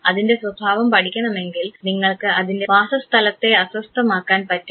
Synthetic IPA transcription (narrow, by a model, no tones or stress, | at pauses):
ɐðinde̞swɐbʱaːʋɐmpɐʈʰikʲːɐɳɐme̞ŋɡilniŋːɐɭkɨɐðinde̞baːsɐst̪ʰɐlɐt̪ːe̞ɐswɐst̪ʰɐmaːkːaːnpɐtːu